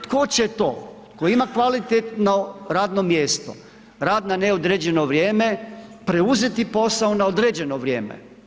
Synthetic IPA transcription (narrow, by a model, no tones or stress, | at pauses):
t̪kot͡ɕet̪oː | koimakʋalit̪et̪noɾaːd̪no̞mjeːst̪o̰ | ɾaːd̪naneod̪ɾeːd͡ʑe̞no̞ʋɾjeːmepɾeuze̞t̪ipo̞saonaod̪ɾeːd͡ʑe̞no̞ʋɾjeːmḛ